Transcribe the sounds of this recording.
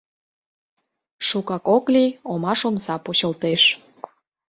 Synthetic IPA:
ʃukɑkokliomɑʃomsɑpuɕəlt̪eʃ

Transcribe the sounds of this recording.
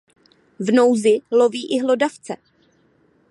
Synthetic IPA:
vno̞wzɪloviːʔɪɦlo̞daft͡sɛ

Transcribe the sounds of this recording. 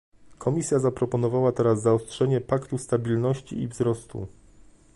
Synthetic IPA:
kʰɔmʲisʲjazapɾɔpɔnɔvawat̪ɛɾazːaɔstʂɛɲɛpakt̪ust̪abʲilnɔɕt͡ɕḭivzɾɔst̪ṵ

